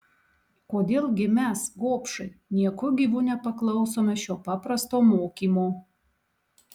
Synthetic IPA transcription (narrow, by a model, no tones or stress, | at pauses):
koːd̪ʲeːlˠɡʲɪmʲɛsɡoːpʃɐɪnʲiɛkʊɡʲiʋuːnʲɛpɐklˠɐʊsoːmʲɛʃʲoːpɑːpɾɐst̪oːmoːkʲiːmoː